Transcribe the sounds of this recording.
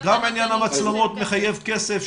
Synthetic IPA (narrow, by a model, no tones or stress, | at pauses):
ɡaminjanhamat͡slemo̞t̪me̞χaje̞vke̞sef